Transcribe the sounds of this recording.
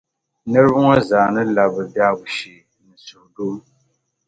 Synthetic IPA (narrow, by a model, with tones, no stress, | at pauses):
nɨ˦ɾɨ˦bu˦ŋɔ˦zaː˨nɨ˦la˨bɨ˨da˦bu˨ʃi˨ | nɨ˨su˨hdoː˦